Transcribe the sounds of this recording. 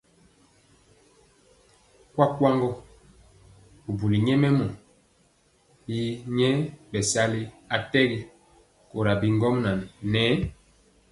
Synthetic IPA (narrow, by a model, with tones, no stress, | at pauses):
kwa˦kwa˦ŋɡɔ˦ | u˨bu˨li˨ɲɛ˦mɛ˦mɔ˨ | ji˦ɲɛ˦bɛ˨sa˦li˦ | a˨tɛ˦ɡi˦ | ko˨ɾa˨bi˨ŋɡɔ˦mna˨nnɛ˨˦